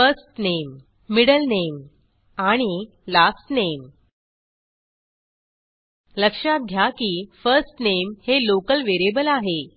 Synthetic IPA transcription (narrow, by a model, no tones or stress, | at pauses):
fəsʈnemː | iɽəlnem | aɽ̃i | lasʈnem | ləkʂat̪̚ɡʱjakiːfəɾsʈnemhelokəlʋeɾebəlaɦe